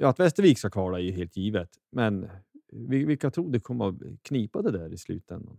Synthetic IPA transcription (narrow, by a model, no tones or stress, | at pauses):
jɑːat̪vɛst̪əɾviːkskakʰvɑːɭaɛɾjɵɦeːlt̪jiːvət̪ | mɛnvɪvɪlkːat̪ʰɾuːd̪ɛkʰɔmːakʰniːpad̪ɛd̪æːɾɪslʉ̰ːt̪ɛnd̪a̰n